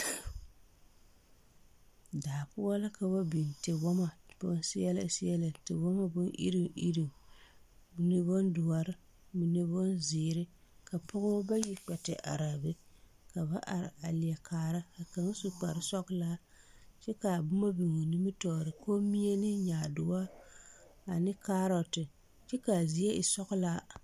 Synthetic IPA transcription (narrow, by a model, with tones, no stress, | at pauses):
daː˨pʊ˦a˦la˦ka˨ba˦bi˨ntɪ˨wɔ˦ma˨b̥ʊ̰˦n˦sɪ˦jɛ˦la̰˦˨sjɛ˦la˨tɪ˨wɔ˦ma˦bʊ˦nʔḭ˦ɾi˦˨ʔḭ˦ɾi˨ | bi˨ne˦bo˦ndʊ˨wa˨ɾɪ˦ | mi˨nɨ˦bʊ˦nzɪː˨ɾɪ˦ka˨pʊ˦ɣʊ˦ba˦ji˨k͡pɛ˨tɪ˨ʔa̰˨ɾa˨bɨ˦ | ka˨ba˦ʔa̰˨ɾɪ̰˨a˨li˨a˨kʰaː˨ɾa˦a˨ka˨ŋ˦su˨k͡pa˨ɾɪ˦sɔ˦ɣla˦ | t͡ʃɛ˦ka˨bʊ˦ma˦bi˨ŋo˨nɨ˦mɨ˦tɔː˨ɾɨ˨koː˦mi˦e˦nɪ˦ɲaː˨dʊ˨wa˦ | a˨nɪ˦kaː˦ɾɔ˨tɪ˨ | t͡ʃɛ˦ka˨zi˦a˦ʔi˨sɔ˦ɣlaː˦